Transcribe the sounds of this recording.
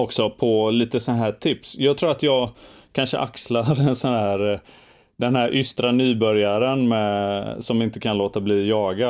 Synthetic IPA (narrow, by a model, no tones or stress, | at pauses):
ɔksɔpʰɔliːt̪əsɔnaɦæːʈʰɪpsjɑːɡ̚t̪ʰɾuːɾat̪jɑːɡkʰanʂəʔakslaɾɛnsɔnæːɾ | d̪ɛnɦæɾʔʏst̪ɾanyːbœɾjaɾənmɛsɔmɪnt̪əkʰanloːt̪abliːjɑːɡa